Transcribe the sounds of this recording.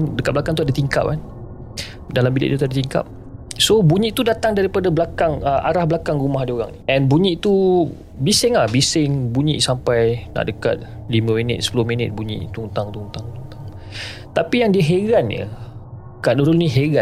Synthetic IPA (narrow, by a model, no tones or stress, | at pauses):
ndəkat̚blakaŋt̪uadat̪iŋka̰p̚an | dalambilḭʔt̪ut̪uadət̪iŋka̰p̚ | sobuɲiʔt̪udat̪aŋdaɾipadablakaŋəʔa̰ɾahbəlakaŋɾumaɦdioɣa̰ŋniɛnbuɲĩʔt̪u | bisɪŋlahbisɪŋbuɲḭʔsampajna̰ʔdəka̰t̪̚ | limə̃minɪ̰t̪̚sə̥pulʊhminɪt̪̚buɲḭ̃ʔt̪unt̪aŋt̪unt̪aŋt̪ut̪aŋ | t̪apijaŋdiəɦeɡanjə̰ | kaʔnuɾʊlniɦeɡa